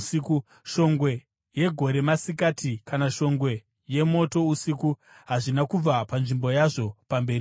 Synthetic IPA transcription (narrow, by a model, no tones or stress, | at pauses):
iku | ʃo̞ŋɡwe̞ | je̞ɡʱo̞ɾe̞masikatikanaʃo̞ŋɡwe̞ | je̞mo̞to̞usiku | ɦaʐinakub͡vapanʐimbo̞jaʐo̞pambe̞ːɾi